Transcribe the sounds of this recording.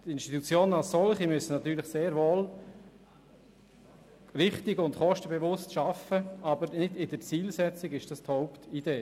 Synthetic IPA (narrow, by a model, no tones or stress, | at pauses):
tɪnʃtit̪ut͡sjoːnənɑlssɔlχimʏsənɑt̪yːɾlɪχseːɾʋoːl | rɪχtɪɡʊntχɔʃtəbeʋʊstʃɑfəɑbəɾnɪdɪd̥əɾt͡siːlsɛt͡sɪɡɪʃd̥ɑst̪hɔʊptid̥eː